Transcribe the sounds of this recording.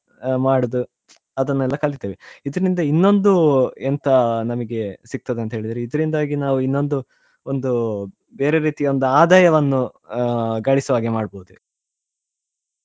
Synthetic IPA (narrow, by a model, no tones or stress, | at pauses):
maːɽud̪u | ɐd̪ɐnːɛlːɐkɐɭit̪ːeːʋeid̪ɐɾɐɾind̪ɐinːo̞nd̪uɛnt̪ɐnɐmɐɡe̞siɡk̚t̪ɐd̪eɐnt̪ɐɦeːɭid̪iɾeid̪ɐɾind̪aːɡinaːʋuinːo̞nd̪u | o̞nd̪u | beːɾeɾiːt̪ijo̞nd̪uaːd̪aːjɐʋɐnːu | ɡɐɭisɐʋaːɡimaːɽboɦud̪u